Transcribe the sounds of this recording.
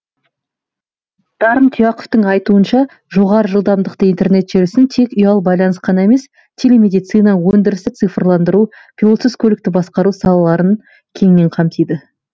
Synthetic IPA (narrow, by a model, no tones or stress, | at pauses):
d̪̥ɑɾəmt̪ʰijɑqoft̪əɴɑjt̪uənʃɑ | ʒo̞ʁɑɾəʒəlˠd̪ɑmd̪əqt̪əijnt̪e̞ɾne̞t̪ʒ̥ɪɾɪsɪnt̪ʰe̞kʲʏjɑlˠbɑjlˠɑnəsqɑnɑe̞me̞s | t̪ʲʰele̞me̞d̪ijt̪sɨjnɑəwɵnd̪ɪɾɪst̪ɪt̪sɨfrlˠɑnd̪əɾu | pʲʰilˠo̞t̪səskʰolɪkt̪ɪbɑsqɑɾusɑlˠɑlˠɑɾən | kʲʰe̞ŋɪne̞ɴqʰɑmt̪ʰijd̪ə